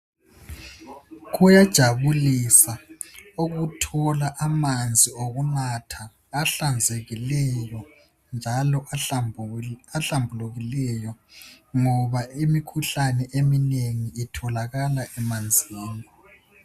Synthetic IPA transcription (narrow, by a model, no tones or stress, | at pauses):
ɣujad̥ʒ̥ʱaβulisauɣutʰɔlaʔamand͡zʱioɣunatʰaː | ɬand͡zʱeɣilɛjɔ | nd͡ʒʱalɔ | aɬambʱuluɣilɛjɔ | ŋɔβaimikʰuɬanɛʔemineŋiːtʰɔlaɣalaʔɛmand͡zʱiːni